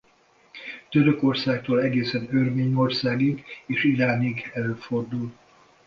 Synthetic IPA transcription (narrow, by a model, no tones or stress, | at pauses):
t̪øɾøko̞rsaːk̚t̪oːlɛɡeːsɛnørmeːɲo̞rsaːɡiɡeːʃiɾaːniɡɛløːfo̞rd̪ul